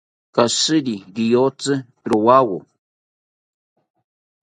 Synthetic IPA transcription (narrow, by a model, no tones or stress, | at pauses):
kasɨɾiɡijot͡sɨpɾowawo